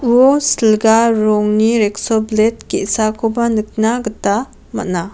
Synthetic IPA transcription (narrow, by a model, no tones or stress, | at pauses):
uosilɡaɾɔŋniɾeksɔblet̚kesakʰobanɯk̚naɡɯta | ma̰t̚na